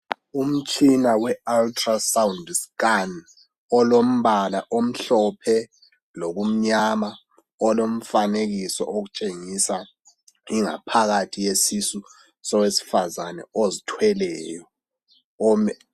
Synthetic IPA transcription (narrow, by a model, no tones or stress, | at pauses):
um̩t͡ʃʼʰinawɛaltʰrasawundskan | ɔlom̩βalaʔom̩ɬɔpʰɛ | lok̬um̩ɲama | ɔlom̩fanek̬isɔ̰ʔok̬ut͡ʃʼeŋisa | iŋa̰pʰaɣatʰijesisu | sɔwesi̥fazanɛ̰ozitʰwɛlɛːjɔ | ɔmɛ